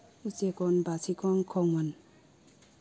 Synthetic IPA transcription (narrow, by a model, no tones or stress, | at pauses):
ut͡ʃekɔnbasʰikʰɔŋkʰɔŋan